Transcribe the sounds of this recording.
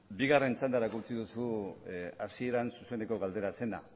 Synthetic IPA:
biɣare̞nt͡sand̪aɾakut͡siðusu | asie̞ɾansuse̞ne̞ko̞ɣald̪e̞ɾase̞na̰

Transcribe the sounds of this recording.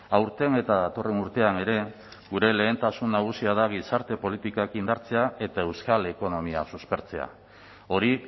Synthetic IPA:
awɾt̪e̞ne̞t̪aðat̪o̞re̞nuɾt̪e̞ane̞ɾe̞ | ɡuɾe̞le̞ːnt̪asunːaɣ̞usiaðaɣisaɾt̪e̞po̞lit̪ikakind̪aɾt͡se̞ae̞t̪ae̞wskale̞ko̞no̞miasuspe̞ɾt͡se̞a̰ | o̞ɾi

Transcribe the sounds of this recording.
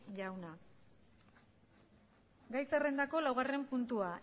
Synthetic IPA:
ʝawna | ɡajsere̞nd̪ako̞lawɣare̞mpunt̪ua

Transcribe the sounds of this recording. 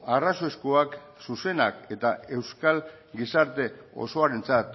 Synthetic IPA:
araso̞eskuak | suse̞na̰ke̞t̪ae̞wskal | ɡisaɾt̪e̞o̰so̞aɾe̞nt͡sat̪

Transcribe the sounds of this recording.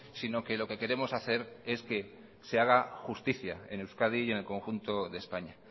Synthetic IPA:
sino̞ke̞lo̞ke̞ke̞ɾe̞mo̞saθe̞ɾe̞ske̞ | se̞aɣ̞axust̪iθja̰e̞̰newskaðie̞ne̞lko̞ŋxunt̪o̞ðe̞spaɲa

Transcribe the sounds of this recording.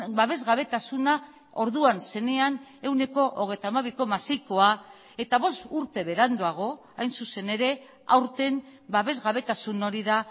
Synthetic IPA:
baβ̞e̞zɣaβe̞t̪asuna | o̞ɾðuanse̞ne̞ane̞wne̞ko̞ʔoɣe̞jt̪amaβiko̞masiko̞a | e̞t̪aβ̞o̞st̪uɾt̪e̞βe̞ɾand̪uaɣ̞o̞ | ajnsuse̞ne̞ɾe̞ | a̰wɾt̪e̞mbaβe̞zɣaβ̞e̞t̪asuno̞ɾiða

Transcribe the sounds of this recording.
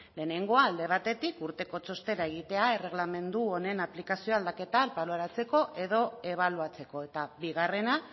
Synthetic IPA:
le̞ːne̞ŋɡo̞aːld̪e̞β̞at̪e̞t̪ikuɾt̪e̞ko̞t͡so̞st̪e̞ɾae̞ɣ̞it̪e̞aere̞ɣ̞lame̞nd̪uone̞naplikasio̞ald̪ake̞t̪alpaloaɾat͡se̞ko̞ʔe̞ðo̞e̞β̞aluat͡se̞ko̞e̞t̪aβiɣare̞na

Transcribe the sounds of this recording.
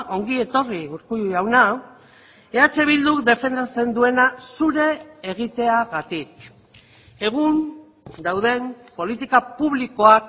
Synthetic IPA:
ʔo̞ŋɡie̞t̪o̞riuɾkuawna | e̞at͡se̞β̞ild̪ukd̪e̞fe̞nd̪at͡se̞nd̪ue̞nasuɾe̞ːɣit̪e̞aɣat̪ik̚ | e̞ɣun | d̪awðe̞mpo̞lit̪ikapuβliko̞ak

